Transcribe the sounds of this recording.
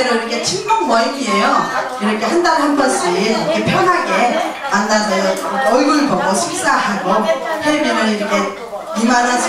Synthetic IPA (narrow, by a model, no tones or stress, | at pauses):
eɾoiɾʌkʰe̞t͡ɕʰiŋmuŋ̚mʌiɡiejo | iɾʌkʰe̞ɦandanɯnbʌs͈iiɾʌkʰepʰjʌnɦaɡe̞manːadejoʌɭɡuɭbʌɡoɕʰiks͈aɦaɡopʰeminɯniɾʌkʰe̞ | imanasʰ